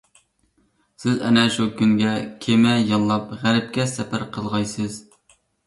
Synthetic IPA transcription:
sɪzɛ̰nɛʃukʲyŋɡʲɛkʲʰemɛjɑnlˠɑpʁæɾɪp̚kʲɛsɛpʰæɾqʰəlˠʁɑjsɨz̥

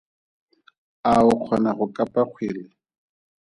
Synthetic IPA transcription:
aʊq͡χʰɔnaχʊkʼapʼaq͡χʰwiːlɪ

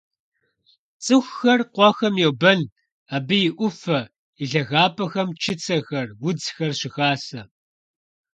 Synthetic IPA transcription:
t͡sʼɨxʷːɐrqʷɔxɐmjɛwbɐn | abɨjɪʔʷʊfɐ | iɮɐɣaːpʰɐxɐmt͡ʃʰɪt͡sʰɐxɐrwʊd͡zxɐrɕɪxaːsɐ

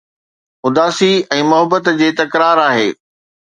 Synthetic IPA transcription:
mʊd̪aːsiɛ̃ːmʊɦəbət̪d͡ʑeːt̪ɐkɾaːɾaːɦḛː

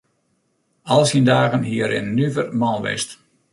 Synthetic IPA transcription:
ɑlˠsindaːɣənɦiəɾɪ̰nːyvərmɔnˠʋɪ̰st

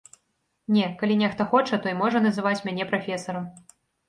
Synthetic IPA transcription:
nʲɛkalʲinʲɛxt̪ɐxɔt͡ʂɐt̪ɔimɔʐɐnɐzɨvat͡sʲmʲanʲɛpɾafʲɛsɐɾɐm

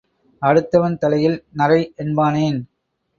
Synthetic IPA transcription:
ɐɽɯt̪ːɐʋɐnt̪ɐlɐjɪlnɐrɐɪʔɛnbaːneːn

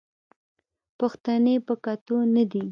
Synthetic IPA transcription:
pəxt̪anepəkat̪onad̪i

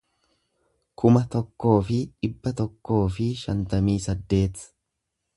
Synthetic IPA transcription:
kʰʊmɐt̪ɔkːo̞ːfɪᶑɪbːɐt̪ɔkːo̞ːfɪʃɐnt̪ɐmiːsɐd̪ːe̞ːt̪

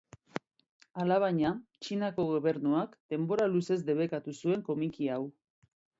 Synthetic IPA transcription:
alaβ̞aɲat͡ʃinako̞ɣo̞β̞e̞ɾnuakd̪̥e̞mbo̞ɾaluse̞zd̪e̞β̞e̞kat̪usue̞ŋko̞mikiaw

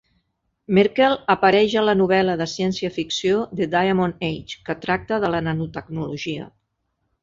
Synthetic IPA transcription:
meɾkɛlˠəpəɾɛʒələnuβ̞ɛləðəsiɛnsiəfiksioðəd̪ajəmonejt͡ʃkət̪ɾak̚t̪əðələnənut̪əɡ̚nuluʒiə̰

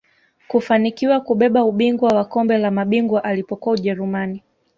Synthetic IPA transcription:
kufanikiwakuɓɛɓauɓiŋɡwawakɔmbɛlamaɓiŋɡwaʔalipɔkuauʄɛɾumani

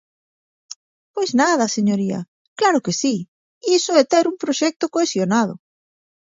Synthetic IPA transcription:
pojznað̞ɐseɲoɾiɐ̰ | klaɾokesi | isoɛt̪eɾumpɾoʃɛk̚t̪okoesjonað̞ʊ̰

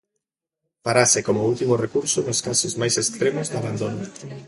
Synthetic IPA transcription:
paɾasɪkomoult̪imʊrekuɾsʊnʊskasʊzmajsest̪ɾemʊzd̪aβand̪onʊ

